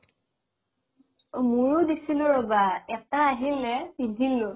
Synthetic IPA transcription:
muɹʊdisilʊɹɔbaɛktaːɦilːɛbidʱilːʊ

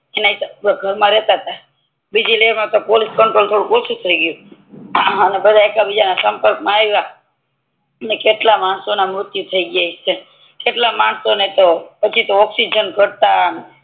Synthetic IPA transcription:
enaisaɡʱəɾmãɾɛt̪at̪ʰa | bid͡ʒileemãt̪opoliskəɳʈɾolt̪ʰoɽũkosũt̪ʰəiɡjũ | ənebəd̪ʱaekabid͡ʒanasəmpəɾkmãaʋa | ənekeʈlamaɳsonamɾʊt̪jut̪ʰəiɡjait͡ʃʰe | keʈlamaɳsonet̪opət͡ʃʰit̪oɔksid͡ʒənɡʱəɽt̪a

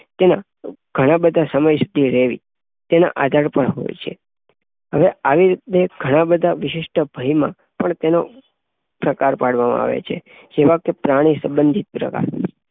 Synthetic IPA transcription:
t̪ena̰ | ɡ̥ʱəɽ̃ãbəd̪ʱasəməjsud̪ʱiɾɛʋḭ | t̪enã̰ʔad̪ʱaɾpəɳɦo̰jt͡ʃʰḛ | ɦəʋeaʋiɾit̪eɡ̥ʱəɽ̃ãbəd̪ʱaʋɪʃɪʃʈəbʱəjmã̰ | pəɳt̪eno | pɾəkaɾpaɽʋamã̰a̰ʋḛt͡ʃʰe | d͡ʒeʋãkepɾaɽ̃isəmbənd̪ʱit̪̚pɾə̰ka̰ɾ

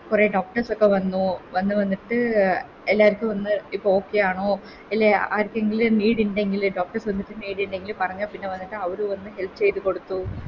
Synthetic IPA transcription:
kure̞ːɖo̞ːk̚ʈɐrsokːe̞ʋɐnːuʋɐnːɨʋɐnːiʈːɨ | elːaːʋiɾikʲːuɨʋɐnːɨipːooːkːe̞jaːɳoː | elːea̰ːɾikʲːɨeŋɡilniːɽinɖe̞ŋɡilɖo̞ːk̚ʈɐrsʋɐnːiʈːɨniːɽinɖe̞ŋɡilpɐrɐɲːɐpinːe̞ʋɐnːiʈːɨɐʋɐɾuʋɐnːɨɦe̞lpɨt͡ɕe̞jt̪uko̞ɽut̪ːu

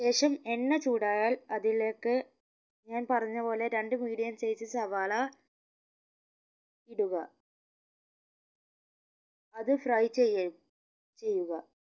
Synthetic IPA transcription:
ɕe̞ːʂɐme̞nːet͡ɕuːɽaːjaːlɐðile̞ːkːɨ | ɲaːnpɐrɐɲːɐpo̞ːle̞ɾeɳɖɨmiːɽijɐmsejsɨsɐʋaːla | iɽuɣɐ | ɐðɨfrɐjt͡ɕː | t͡ɕe̞jːuɣɐ

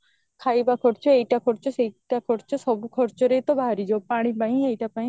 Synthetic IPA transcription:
kʰaːibakʰɔɾt͡ʃʰoeiʈakʰɔɽt͡ʃoseiʈakʰɔɾt͡ʃosɔbukʰɔɾt͡ʃoɾeit̪obʱaːɾid͡ʒoːpaːɽ̃ĩpaːĩeiʈapaːĩ

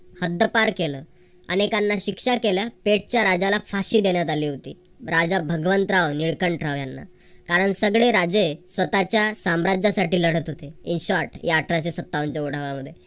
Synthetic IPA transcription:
həd̪ʱːəpaɾkeləː | a̰ñekanːaɕikʂakeljapeʈ̚t͡ɕjaɾad͡ʑalafaɕiːd̪eɳjat̪aliːɦot̪ḭː | ɾad͡zabʱəɡʋənt̪ɾaʋniɭkəɳʈʰɾaʋjanːa̰ | kaɾəɳsəɡɭeɾad͡ʑesʋət̪at͡ɕjasamɾad͡ʑasaʈiːləɽ̤ət̪ɦot̪einɕaɾʈjaːʈɾat͡ɕesət̪ːaʋəɲt͡ɕeuɽ̤əʋaməd̪ʱːje

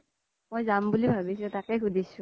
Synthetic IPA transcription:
mojzambulibʱabis̬ʊ̃takɛkʰudʱisʊ̃

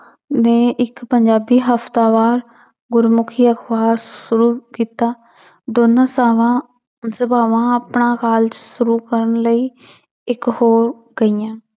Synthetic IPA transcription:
neːʔɪkpəɲd͡ʒaːbiːɦəft̪aːʋaːɾ | ɡʊɾmʊkʰiːəxbaːɾʃʊɾuːkiːt̪aː | d̪oːnãːsaːʋãː | səbaːʋãːəpɳãːkaːlt͡ʃsʊɾuːkəɾənləiː | ɪkhoːɾ | ɡəijãː

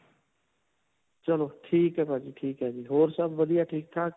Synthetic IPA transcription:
t͡ʃəloːʈʰiːkɦɛːpaːd͡ʒiːʈʰiːkɦɛːd͡ʒiːɦoːɾsəbʋəd̪ijaːʈʰiːk̚t̪ʰaː

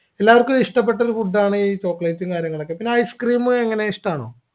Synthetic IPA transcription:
e̞lːaːʋɐrkːuiʂʈɐpːe̞ʈ̬ːɐoɾupuɖːaːɳɨiːt͡ɕo̞ːkːɭeːtːiŋkaːɾjɐŋːɐɭo̞kːepinːeajskriːmɨeŋːɐne̞iʂʈaːɳo̰ː

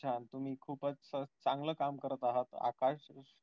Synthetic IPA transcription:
ant̪um̤iːkʰuːpət͡sət͡saŋɡləːkamkəɾət̪aɦət̪a̰kaɕ

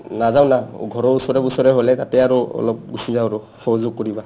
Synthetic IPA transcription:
nazaw̃naɡʱɔɹɔɹusɔɹɛbusɔɹɛɦolɛtatɛaɹuɔ̰lɔp̚ɡusizawɹɔ | xɔɦɔzʊɡ̚kɔɹiba

